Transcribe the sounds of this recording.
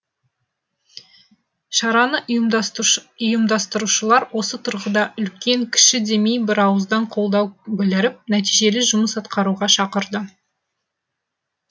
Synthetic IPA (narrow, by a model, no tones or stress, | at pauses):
ʃɑɾɑnə | ʊjəmd̪ɑst̪əɾuʃəlˠɑɾwo̞sət̪ʰʊɾʁəd̪ɑʔʏlkʲe̞ŋkʲʰɪ̥ʃɪd̪e̞mejbɪɾɑwəzd̪ɑɴqʰo̞lˠd̪ɑwbʲɪlɪɾɪp̚næt̪ijʒe̞lɪʒʊməsɑt̪qɑɾuʁɑʃɑqəɾd̪ə